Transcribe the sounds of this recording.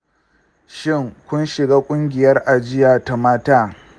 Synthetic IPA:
ʃɪ˦˨ŋkʷʊ˦nʃɪ˨ɡaː˦kʷʼʊ˦ŋɡʲɪ˨jɐ˦rʔa˨d͡ʒɪ˦jaː˨ta˦maː˦taː˦

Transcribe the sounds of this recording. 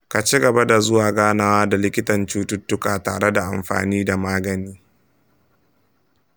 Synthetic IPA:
ka˨t͡ʃi˦ɡɐ˨ba˦da˨zʊ˦waː˨ɡaː˦naː˦waː˦da˨lɪ˦kʲɪ˦tɐ˨nt͡ʃuː˦tʊ˦tːʊ˦kaː˨ta̰ː˨ɽe˦da˨ʔa̰˨mɸa̰ː˨niː˦da˨maː˦ɡɐ˨niː˦

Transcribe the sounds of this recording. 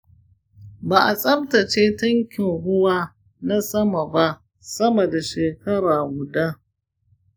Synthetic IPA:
baː˨ʔa˨sʼɐ˦mtɐ˨t͡ʃeː˦tɐ˦ŋkʲɪ˨ŋɦʊ˦waː˦ | na˦sɐ˦ma˨ba˦ʔ | sɐ˦mɐ˨da˨ʃeː˨kɐ˦ɽaː˨ɡʷʊ˨da˦

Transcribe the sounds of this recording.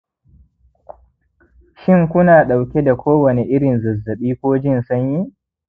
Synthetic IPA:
ʃɪ˦˨ŋkʷʊ˦naː˨ɗa˨wkʲe˦da˨kʷoː˦wɐ˨ne˨ʔɪ˦ɾɪ˨nzɐ˨zːɐ˨ɓiː˦kʷoː˦d͡ʒɪ˦nsʊ˦ɲji˦

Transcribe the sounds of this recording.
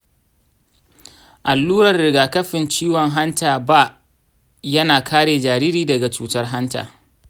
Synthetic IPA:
ʔa˨lːuː˦ɾɐ˨rɽɪ˨ɡaː˨kɐ˦ɸɪ˨nt͡ʃiː˦wɔ˨ŋɦa˦ntaː˨ba˦˨ | jɐ˦naː˨kʰaː˦ɽeː˨d͡ʒaː˨ɾiː˦ɾiː˨dɐ˨ɡa˨t͡ʃuː˨tɐ˦rɦa˦nta̰ː˨

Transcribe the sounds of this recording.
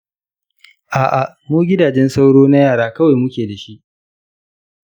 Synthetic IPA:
ʔaː˨ʔa˨ | muː˦ɡʲɪ˦daː˨d͡ʒɛ˦nsa˦wɽoː˦na˦jaː˦˨ɽaː˦kɐ˦wa˨jmʊ˦kʲeː˨da˨ʃi˦ʔ

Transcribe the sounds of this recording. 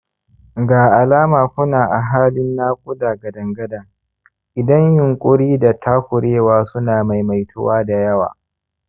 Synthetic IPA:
ɡaː˨ʔa˨laː˦maː˨kʷʊ˦naː˨ʔa˨ɦaː˦lɪ˦nːaː˦kʷʼʊ˦daː˨ɡɐ˨dɐ˨ŋɡɐ˦dɐ˨ŋ | ʔɪ˨dɐ˦ɲjʊ˨ŋkʷʼʊ˦ɽiː˦da˨tʰaː˦kʷʊ˨ɾeː˦waː˦sʊ˦naː˨ma˨jma˨jtʰʊ̰˦waː˦da˨jɐ˦wa̰ː˨

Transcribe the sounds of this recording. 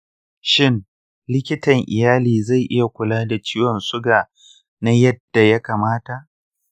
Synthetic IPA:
ʃɪ˦n | lɪ˦kʲɪ˦tɐ˨ŋʔɪ̰˨jaː˦liː˨za˦˨jʔɪ˦ja˨kʷʊ˨laː˦da˨t͡ʃiː˦wɐ˨nsʊ˦ɡaː˨ | na˦jɐ˦d̥ːa˨ja˦kaː˨maː˦ta˨ʔ

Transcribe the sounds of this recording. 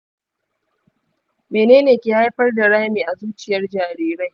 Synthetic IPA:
meː˨neː˦neː˨kʲiː˨ha˦jɸɐ˦rda˨ɽaː˦miː˨ʔa˨zuː˦t͡ʃɪ˨jɐ˦rd͡ʒaː˨ɾiː˨ɾa˦j

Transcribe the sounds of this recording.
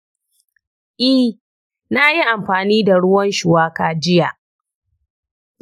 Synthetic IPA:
ʔi˦ | na˦ji˦ʔa˨mɸaː˨niː˦da˨ɽʊ˦wɐ˦nʃʊ˨waː˦kaː˨d͡ʒɪ˦ja˨ʔ

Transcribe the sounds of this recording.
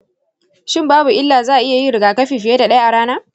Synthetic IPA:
ʃɪ˦mbaː˦bu˨ʔɪ˦lːaː˨zaː˦ʔa˨ʔɪ˦ja˨ji˦ɾɪ˨ɡaː˨kɐ˦ɸiː˨ɸɪ˨jeː˦da˨ɗɐ˦ja˦ʔa˨ɽaː˦naː˦

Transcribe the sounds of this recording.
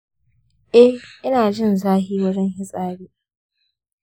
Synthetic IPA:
ʔɛ˦hʔɪ˦naː˨d͡ʒɪ˦nzaː˦ɦiː˦wɐ˦d͡ʒɐ˦ŋɦɪ˦sʼaː˦ɽiː˦

